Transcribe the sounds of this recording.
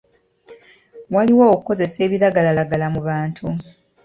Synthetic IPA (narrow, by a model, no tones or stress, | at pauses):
waliwoːkuko̞ze̞se̞ːβilaɡalalaɡalamuβaːntʰu